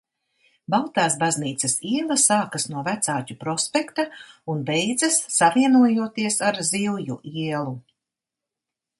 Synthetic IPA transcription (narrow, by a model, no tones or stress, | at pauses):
balˠt̪aːsbazniːt̪sɐsiɛlˠɐsaːkɐsnuɔvæt̪saːcʲupɾɔspʲɛkt̪aunbɛjd̪zɐsːaviɛnuɔjuɔt̪iɛsaɾzilˠjuʔiɛlˠu